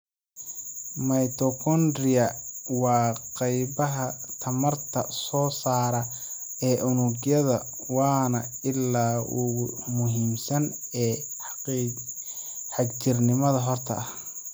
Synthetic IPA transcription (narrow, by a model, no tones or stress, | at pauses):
mɐjt̪ʰɔkʰɔnd̪rɪɐwɑːqɑjβɐɦɐt̪ʰɐmɐrt̪ʰɐsɔːsaːɾɐ | ɛːʔʊnʊɡjɐðɐ | wɑːnɐ | ɪlːaːʊɣʊmʊɦiːmsɐnɛː | ħɑɡt͡ʃɪrnɪmɐðɐɦɔrt̪ʰɐ̰ɐh